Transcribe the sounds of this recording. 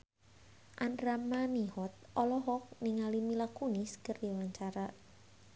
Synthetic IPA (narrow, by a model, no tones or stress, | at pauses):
ʔandɾamanihɔt̪̚ɔlɔɦɔk̚nɪŋalimilakunɪskərdiwaɲt͡ʃaɾa